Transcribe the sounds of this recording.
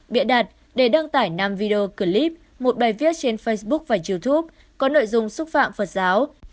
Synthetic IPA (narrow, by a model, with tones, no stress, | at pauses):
ɓḭ˧˨əɗaː˨˩t̚ | ɗe˧˩ɗə˧ŋt̪aː˧˩jna˧mvi˧ɗe˧o˧kɨ˨˧˩li˦˥p̚ | mo˨˩t̚ɓaː˨˩jvi˦˥ət̚t͡ɕe˧nfə˧jsɓʊ˦˥k̚vaː˨˩zi˧wt̪ʰu˦˥p̚ | kɔ˨˦no̰˧˨jzʊ˧ŋ͡msʊ˦˥k͡p̚fa̰ː˧˨mfə˨˩t̚zaː˨˦w